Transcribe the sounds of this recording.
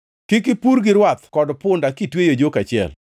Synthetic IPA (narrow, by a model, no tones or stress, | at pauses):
kɪkɪpuɾɡɪɾwat̪kɔdpʊndakitwejod͡ʒokat͡ʃɪɛ̰l